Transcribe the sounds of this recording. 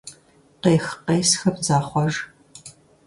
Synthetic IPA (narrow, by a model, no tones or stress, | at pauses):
qeːxqeːjsxɐpzaːχʷɔʒ